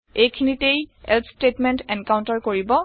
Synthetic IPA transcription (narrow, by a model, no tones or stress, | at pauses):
ejkʰinitejɛ̰ltʰstetmɛntɛnkawntaɹkoɹibɔ